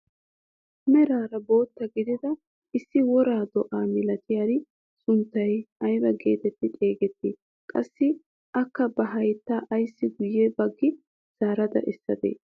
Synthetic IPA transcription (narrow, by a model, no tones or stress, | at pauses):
ɐmɛɾaːɾɐbo̞ːt̪ːɐɡɪd̪ɪd̪ɐ | ʔɪsːɪwɔɾaːd̪ɔʔaːmɪlɐt̪ɪjad̪ɪ | sʊnt̪ːɐjɐjbɐɡe̞̰ːt̪ɛt̪ːɪt̪ʼe̞ːɡɛt̪ːɪ | kʼɐsːɪ | ʔɐkːɐbɐɦɐjt̪ːaːʔɐjsːɪɡʊjːɛbɐɡːɪ | z̥aːɾɐd̪ɐ̰ʔɛsːɐ̰d̪ḛː